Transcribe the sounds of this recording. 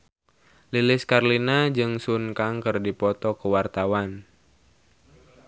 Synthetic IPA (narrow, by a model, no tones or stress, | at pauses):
lilɪskarlinad͡ʒɨŋsunkaŋkɨrdipɔt̪ɔkəwart̪awan